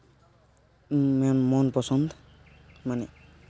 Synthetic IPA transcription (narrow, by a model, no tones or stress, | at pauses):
mɛnmɔnpɔsɔnd̪ʱ | manɛ